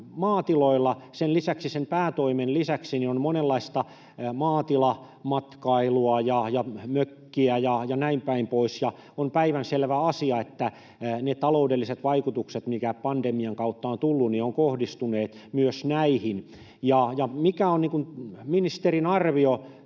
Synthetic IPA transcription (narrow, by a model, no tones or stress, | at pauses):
mɑːt̪iloilːɑsenlisæksisempæːt̪oimenlisæksinionmonelːɑist̪ɑ | mɑːt̪ilɑ | mɑt̪kɑiluɑjɑjɑmøkːiæjɑjɑnæimpæimpoisjɑ | ompæiʋænselʋæɑsiɑet̪ːæ | net̪ɑloudelːiset̪ʋɑikut̪ukset̪mikæpɑnd̥emiɑŋkɑut̪ːɑont̪ulːunnioŋkohdist̪uneːt̪ | myøsnæihin | jɑjɑmikæonniːŋkunminist̪erinɑrʋio